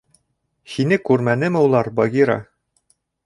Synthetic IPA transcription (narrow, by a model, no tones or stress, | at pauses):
hinɘkʉɾmænɘmɘulˠɑɾbɒɡʲiɾɑ̰